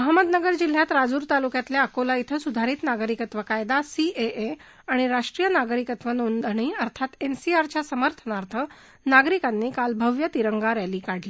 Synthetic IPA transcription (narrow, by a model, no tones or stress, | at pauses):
məɦaməd̪nəɡəɾd͡ʑil̤jat̪ɾad͡zuːɾt̪alukjat̪ljaəkolait̪ʰəsud̪ʱaɾiːt̪naɡɾikət̪ʋəkajd̪asiee | aɽ̃iɾaʂʈɾijənaɡɾikət̪ʋənond̪ʱəɳ̃iːəɾt̪ʰat̪ensiaɾt͡ɕjasəməɾt̪ʰənaɾt̪ʰə | naɡɾikanːiːkalbʱəʋjət̪iɾəŋɡaɾaliːkaɽ̤li